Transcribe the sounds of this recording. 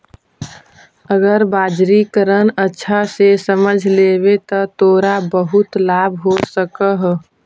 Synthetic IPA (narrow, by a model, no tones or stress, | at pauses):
əɡəɾbaːd͡ʒɾikəɾənətːʃʰasesəməd͡ʒʱleːbet̪ɔt̪oːɾabəɦʊt̪laːbʱɦosəkəɦ